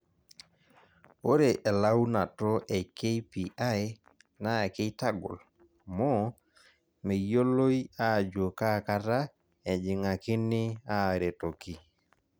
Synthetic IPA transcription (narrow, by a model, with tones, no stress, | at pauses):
o˦ɾe˨ʔɛ˨la˦wna˨tɔ˦ʔɛ˨ke˦pi˨ʔa˦j | na˦˨ke˦ta˦ɡɔ̰˨l | mɔ˦ | me˨jo˦lo˦i˦a˦˨d͡ʒo˨ka˦˨ka˦ɾa˦ | ɛ˨d͡ʒɪ˨ŋa˨kɪ˦nɪ˦a˦˨ɾe˨to˨ki˦